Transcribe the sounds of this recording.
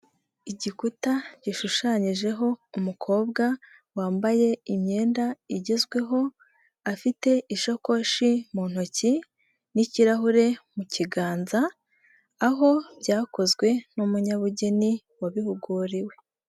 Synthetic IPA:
iɟikutaɟ̥iʃuʃaɲiʒe̞ɦo̞umukʰo̞ːbɡa | waːmbaje̞imɲe̞ːndaiɟe̞zɡwe̞ɦo̞ | afite̞iʃo̞ko̞ʃimuːn̥hoci | niciɾaɦuɾe̞muciɡaːnzaː | ɦo̞bɟaːko̞zɡwe̞numuɲaβuɟe̞ni | waβihuɡuɾiwe̞

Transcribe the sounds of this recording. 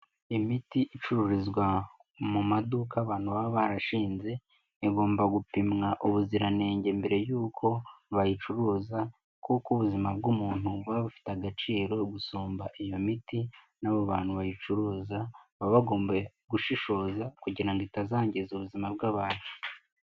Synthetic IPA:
imitiʔit͡ʃuɾuɾizɡwa | mumadukaβaːn̥huβaββaɾaʃiːnze̞ː | ɡo̞ːmbaɡupimŋaʔuβuziɾane̞ːɲɟe̞mbeɾe̞juːkʰo̞βajit͡ʃuɾuːza | kukuβuzimabɡumuːn̥uβaβufi̥taɡat͡ʃiːɾo̞ɡusuːmbaʔijo̞miti | naβoβaːn̥huβajit͡ʃuɾuːzaβaβaɡo̞ːmbeɡuʃiʃo̞ːzakuɟiɾaŋɡitazaːɲɟezuβuzimabɡaːβaːne

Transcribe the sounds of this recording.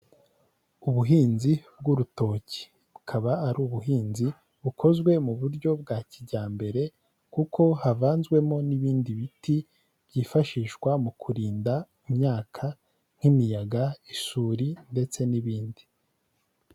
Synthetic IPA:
uβuɦiːnzib̚ɡuɾuto̞ːci̥ | βukʰaβaːɾuːβuɦiːnzi | βukʰo̞zɡwe̞muβuɾɟo̞b̚ɡaːciɟaːmbe̞ɾe̞ | kukʰo̞havaːnzɡwe̞mo̞niβiːndiβiti | bɟiːfaʃiːʃkwamukʰuɾiːnda | imɲaːkʰa | n̥imijaɡaiʃuɾinde̞t͡se̞niβiːndi

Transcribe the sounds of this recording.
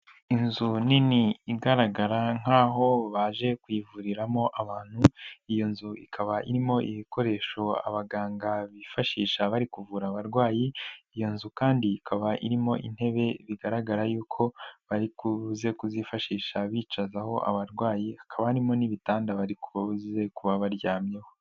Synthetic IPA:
inzuniniiɡaɾaɡaɾaŋ̥aːɦo̞βaʒe̞kwiːvuɾiɾamo̞ʔaβaːn̥huijo̞nzuikʰaβaʔiɾimo̞ʔiβiko̞ɾe̞ːʃo̞a̰βaɡaːŋɡaβifaʃiːʃaβaɾikuvuːɾaβaɾɡwaːjiijo̞nzukaːndiːkʰaβaʔiɾimo̞ʔḭn̥he̞βe̞βiɡaɾaɡaɾajuːkʰo̞βaɾikuze̞kuzifaʃiːʃaβiːt͡ʃazaho̞ʔa̰βaɾɡwaːjiakaβaaɾimo̞niβitaːndaβaɾikuzze̞kuβaβaɾjaːmje̞ho̞

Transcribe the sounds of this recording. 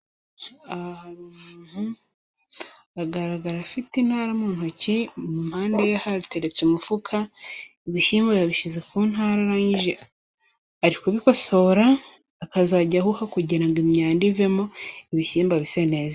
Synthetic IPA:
ahaɾimuːn̥hu | aɡaɾaɡaɾafitin̥haɾamuːn̥huacimumhaːnde̞jahaɾite̞ɾe̞t͡sumufukʰa | iβiʃiːmbajaβiʃize̞kuːn̥haɾaɾaɲiʒe | aɾikuβiko̞so̞ɾaː | kazaɟahuhakuɟeɾaŋɡimɲaːndivemo̞iβiʃiːmbaβisene̞ːza

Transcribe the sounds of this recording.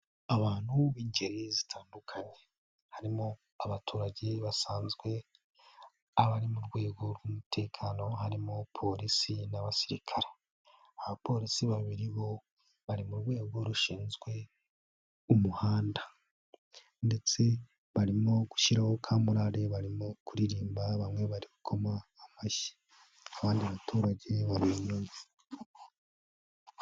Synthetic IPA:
aβaːn̥huβiːɲɟe̞ɾizitʰaːndukʰaɲe̞ | haɾimo | aβatʰuːɾaɟeβasaːnzɡwe̞ | aβaɾimuɾɡwe̞ːɡo̞ɾɡumutʰe̞ːkʰano̞ɦaɾimopʰo̞ɾisinaβasiɾikʰaɾe̥ | aβapʰo̞ɾisiβaβiɾiβo̞ | βaɾimuɾɡwe̞ːɡo̞ɾuʃiːnzɡwe̞ | umuhaːnda | nde̞t͡se̞ | βaɾimoɡu̥ʃiɾaho̞kʰaːmuɾaɾe̞βaɾimokuɾiɾiːmbaβamŋwe̞βaɾikukʰo̞maːmaʃi̥ | aβaːndiβatʰuːɾaɟe̞βaɾinui

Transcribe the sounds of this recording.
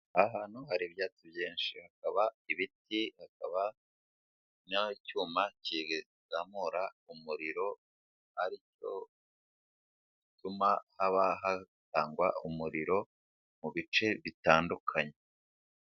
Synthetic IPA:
aɦaːn̥huhaɾiβjaːt͡sibjeːnʃihakaβaiβitihakaβa | nacuːmaciɡe | zamoɾaumuɾiɾo̞ | aɾico̞̰ | itumahaβaɦataːŋɡwa̰umuɾiɾo̞ | muβit͡ʃe̞βitaːndukʰaɲe

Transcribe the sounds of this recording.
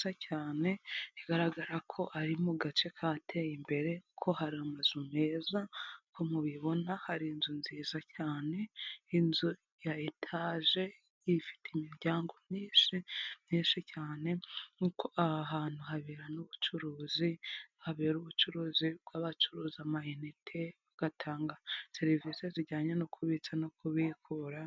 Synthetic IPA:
sacaːne̞iɡaɾaɡaɾakʰo̞ʔaɾimuɡat͡ʃe̞kʰatʰe̞jimbe̞ɾe̞kʰo̞ɦaɾiamazumeːzakʰomuβiβo̞nahaɾiːnzunziːzacaːne̞inzu | jaetʰaːʒe̞ | ifi̥teimiɾɟaːŋɡo̞mɲiːnʃimɲiːnʃicaːne̞ukʰoaɦaːn̥huɦaβeɾanuβut͡ʃuɾuːzihaβeɾuβut͡ʃuɾuːzib̚ɡaβat͡ʃuɾuːzamahenitʰeaɡ̥atʰaːŋɡase̞ɾiviːse̞ziɟaːɲenokʰuβit͡sanokʰuβikʰuɾa

